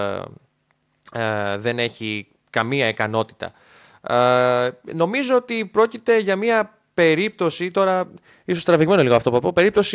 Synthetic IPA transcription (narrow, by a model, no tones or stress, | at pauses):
ðe̞ne̞çi | kɐmiɐekɐno̞t̪i̥t̪ɐ̰ | no̞mizoot̪ipɾo̞cit̪e̞ʝɐmiɐ | pe̞ɾip̚t̪o̞sit̪o̞ɾɐ | isost̪ɾɐviɣme̞noliɣoɐft̪opufɐpope̞ɾip̚t̪o̞si